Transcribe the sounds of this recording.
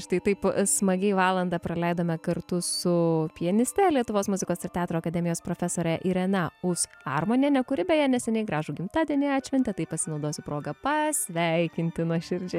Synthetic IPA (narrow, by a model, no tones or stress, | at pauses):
ʃt̪ɐɪt̪ɐɪpsmɐɡʲɛɪʋɑːlˠɐnd̪ɑːpɾɐlʲɛɪd̪oːmʲɛkɐrt̪ʊsʊpʲiɛnʲɪsʲt̪ʲɛlʲiɛt̪ʊʋoːsmʊzʲɪkoːsɪɾt̪ʲɑːt̪ɾoːɐkɐd̪ʲɛmʲɪjoːspɾoːfʲɛsoːɾʲɛʔiɾɛnɐʊsɑrmoːnʲeːnʲɛkʊɾʲɪbʲɛjɛnʲɛsʲɛnʲɛɪɡɾɑːʒʊɡʲɪmt̪ɑːd̪ʲiɛnʲɪɑːt̪ʲt͡ʃʲʋʲɛnʲt̪ʲɛt̪ɐɪpɐsʲɪnɐʊd̪oːsʲɪpɾoːɡɐpɐsʲʋʲɛɪkʲɪnʲt̪ʲɪnuɔʃʲɪɾʲd͡ʒʲɛ